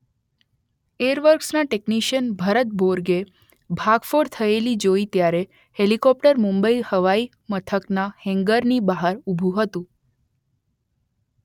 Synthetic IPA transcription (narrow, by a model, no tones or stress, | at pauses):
eəɾʋəɾksnaʈekniʃənbʱəɾət̪̚bʱoɾɡe | bʱaɡfoɾt̪ʰəelid͡ʒoit̪jaɾe | helikɔp̚ʈəɾmumbəihəʋai | mət̪ʰəknahɛ̃ŋɡəɾnibaɦəɾubʱũɦət̪ũ